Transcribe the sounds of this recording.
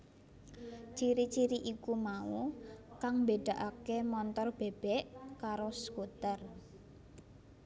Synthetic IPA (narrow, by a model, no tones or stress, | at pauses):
t͡ʃiɾit͡ʃiɾiʔikumaukaŋmbeɖ̥a̤ʔakemɔnt̪ɔrb̥e̤b̥ɛʔkaɾoskut̪ər